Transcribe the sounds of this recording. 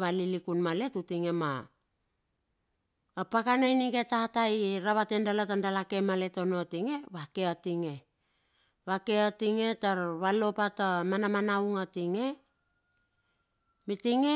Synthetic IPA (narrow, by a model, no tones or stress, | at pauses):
βalilikunmale̞tutiŋe̞ma̰ | pakanajniɡetataiɾaβatendalatandalake̞male̞tonotiŋe̞βake̞atiŋe̞ | βake̞atiŋe̞taɾβalo̞patamanamanauŋatiŋe̞ | mitiŋe